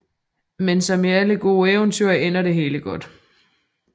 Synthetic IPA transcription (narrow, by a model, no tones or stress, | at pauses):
mensɒ̽miæləɡ̥o̝ːeʊnt͡sʰyɐ̰en̰ɐɾe̝ɦe̝ːləɡ̥ɒ̽d̥